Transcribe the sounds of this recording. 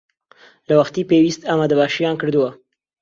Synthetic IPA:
lawaxt̪ipewist̪amad̪əbaʃijɑnkəɽd̪uwa

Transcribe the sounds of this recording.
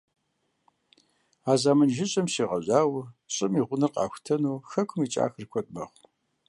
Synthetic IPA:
aːzaːmɐnʒɪɕʼɐmsiːʁɐʑaːwɕʼɪmiːʁʷʊnɨqɑ̰ːxʷtʰɐnuːxɐkʷʰʊmiːt͡ʃʼa̰ːxɨrkʷʰɔtʼmɐχʷ

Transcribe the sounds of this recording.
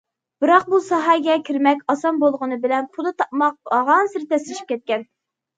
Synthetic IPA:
b̥ɨɾɑq̚busɑɦɑɡʲɛkʲʰiɾmɛkʲɑsɑnbolˠʁənɨbɪlɛnpʰud̪ɨt̪ʰɑp̚mɑq̚ɑʁɑnsɨɾt̪ɛslɪʃi̥p̚kʲɛt̪̚kʲɛn

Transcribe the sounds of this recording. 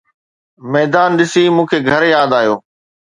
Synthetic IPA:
mɛːd̪aːnɗɪsimũːkʰeːɡʱɐɾjaːd̪aːjo̰ː

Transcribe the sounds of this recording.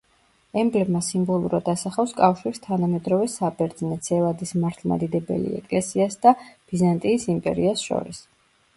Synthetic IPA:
ɛmblɛbmasimbɔlˠuɾad̪asaχafskʼafʃiɾist̪ʰanamɛd̪ɾɔvɛsabɛɾd̪znɛt̪sʰɛvad̪ismaɾt̪ʰlˠma̰d̪id̪ɛbɛ̰lḭɛ̰kʼlɛsiasd̪ab̥izant̪ʼiːsimpʼɛ̰ɾiasʃɔ̰ɾis

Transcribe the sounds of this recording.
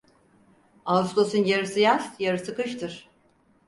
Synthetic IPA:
aust̪osunjaɾɯsɯjasjaɾɯsɯkɯʃt̪ʰɯɾ̥

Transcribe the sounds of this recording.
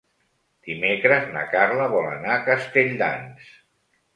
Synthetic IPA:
d̪̥imekɾəzna̰karləβɔlə̰naːkəst̪eʎʲd̪a̰ns

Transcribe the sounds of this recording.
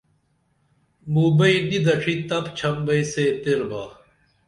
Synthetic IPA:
muːbɐinid̪ɐʈʰit̪ɐpt͡ɕʰɐmbɐiset̪eɾbaː

